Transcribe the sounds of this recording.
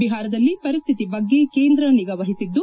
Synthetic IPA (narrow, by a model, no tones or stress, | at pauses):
iɦaːɾɐd̪ɐlːipɐɾist̪ʰit̪ibɐɡːe̞keːnd̪ɾɐniɡɐʋɐɦisid̪ːu